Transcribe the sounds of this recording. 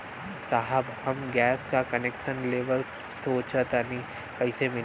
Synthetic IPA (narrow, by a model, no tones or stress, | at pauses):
saːɦəbhɐmɡɛːskakɐnekʃə̃nleːʋəl | soːt͡ʃət̪anĩ | kɐɪsemɪ